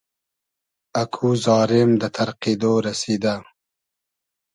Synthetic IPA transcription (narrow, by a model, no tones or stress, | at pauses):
akʰuzɑːɾɪmd̪ət̪ʰɐɾqid̪oɾasid̪a